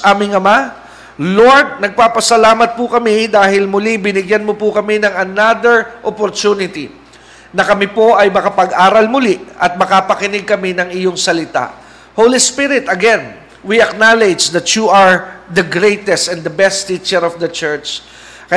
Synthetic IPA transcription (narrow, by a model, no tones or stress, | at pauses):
ʔaːmɪŋɐma | lo̞ɹd̪̚nɐɡ̚paːpɐsɐlaːmɐt̪̚pʊkɐmid̪aːhɪlmʊlibɪnɪɡjanmopʊkɐminɐŋɐnad̪ɛɹʔopoɾt̪unɪt̪ḭ | nɐkɐmɪpo̞ʔɐjmɐkɐpɐɡʔaːɾɐlmʊliʔɐt̪̚mɐkapɐkɪnɪɡ̚kɐmɪnɐŋɪjoŋsɐlɪt̪a̰ʔ | howlispɪɾɪt̪ɐɡɛn | wiɐknalɛd͡ʒd̪ɐt̪juʔɐɹd̪ɐɡɾejt̪ɛst̪ɛnd̪ɐbɛst̪it͡ʃɛɾɔfd̪ɐt͡ʃɛɹt͡ʃ | kɐ